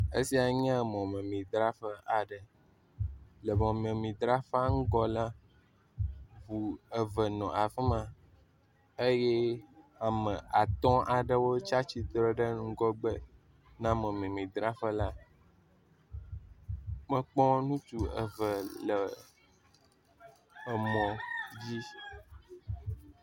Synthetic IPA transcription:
ḛ˦si˦a˨ɲã˦mɔ̃˨mɛ̃˨mĩ˨d̪ɾa˦ɸə˦ʔa˨ɖə˨ | lə˨mɔ̃˨m˨ẽ˨mĩ˨d̪ɾa˦fa˦ŋ̩˦ɡɔ˦lã˦ | vu˨ə˨və˨nɔ̃˨a˨fɛ˦mã˨ | e˦jɛ˦a˨mɛ̃˨a˨t̪ɔ̃˦ʔa˨ɖə˦wo˦t͡ʃa˦t͡ɕi˨d̪ɾɔ˦ɖə˦ŋŋ̩˦ɡɔ˦ɡ͡bə˦ | nã˦mɛ̃˨mẽ˨mĩ˨d̪ɾa˦fə˦la˦ | mə̃˦k͡pɔ̃˦nũ˦t̪u˨ə̰˨və˨lə˨ | ə˨mɔ̃˨d͡ʑi˦

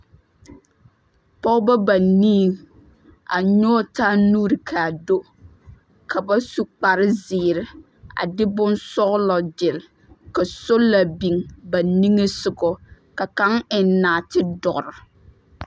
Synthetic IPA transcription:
pɔ˦ʊ˦ba˦ba˨nĩ˦˨ŋ | a̰˨ɲɔː˦taː˦nuː˦ɾɪ˨kʰaː˨do˦ | kʰa˨ba˦su˨k͡pa˨ɾɪ˦zɪː˨ɾɪ˨ | a̰˨dɪ˦bʊ˦nsɔ˦ɣlɔ˨d͡ʒɪ˨l | ka˨so˦la˨bi˨ŋba˨ni˦ŋe˦sʊ˨ɡɔ˨ | ka˨ka˦ŋɪ˨nnaː˨tɪ˦dɔ˨ʔɾɪ˨

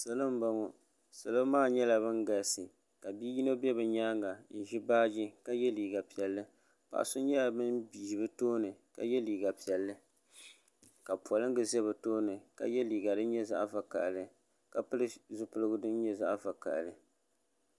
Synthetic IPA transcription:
sɨ˦lɨ˦m˦ba˦ŋɔ˨ | sɨ˨lɨ˦maː˦ɲɛ˦la˨βɨ˦ŋɡa˨lsɨ˨ | ka˨biː˦ji˦no˦bɛ˦bɨ˨ɲaː˦ŋa˨n̩˨ʒi˦baː˦d͡ʒi˦ka˦jɛ˦liː˨ɡa˨pi˨ɛ˨lːɨ˦ | pa̰˨ʔsʊ˦ɲɛ˦a˨bɨ˦nbiː˨hbɨ˦toː˦nɨ˨ka̰˨jɛ˦liː˨ɡa˨pi˨ɛ˨lːɨ˦ | ka˨pɔ˨lɨ˦ŋ˦ɡɨ˨zɛ˦bɨ˨toː˦nɨ˨ka̰˦jɛ˦liː˨ɡa˨dɨ˦nɲɛ˦za̰˦ʔva˨ka̰˨ʔlɨ˨ | ka˨pɨ˦lɨ˦zʊ˦pɨ˦lɨ˦ɡʊ˦dɨ˦n˦ɲɛ˦za̰˦ʔva˨ka̰˨ʔlɨ˨

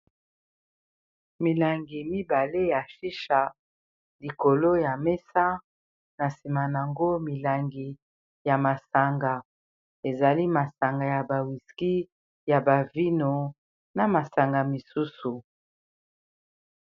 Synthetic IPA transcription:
mi˨la˨ŋɡi˨mi˦ba˨le˦ja˨fi˦ʃa˨ | li˨ko˨lo˦ja˨mɛ˦sa˦ | na˨si˨ma˨n˨a˨ŋɡo˦mi˨la˨ŋɡi˨ | ja˨ma˨sa˨ŋɡa˨ | e˨za˨li˦ma˨sa˨ŋɡa˨ja˨ba˨wi˨ski˦ | ja˨ba˨vi˦no˨ | na˨ma˨sa˨ŋɡa˨mi˨su˦su˨

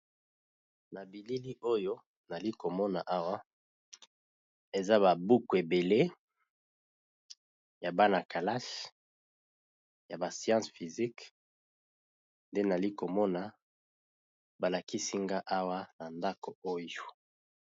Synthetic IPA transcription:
na˨bi˨li˦li˦ʔo˦jo˦ | na˨li˦ko˨mɔ˦na˨ʔa˦wa˦ | e˨za˦βa˨bu˦ku˨e˨be˨le˦ | ja˨ba˦na˨ka˨la˦ʃ | ja˨ba˨sijɑ̃˦sfi˨zi˦k | nde˦na˨li˦ko˨mɔ˦na˨ | ba˨la˨ki˦si˦ŋɡa˦ʔa˦wa˦na˨nda˦ko˨o˦jo˨

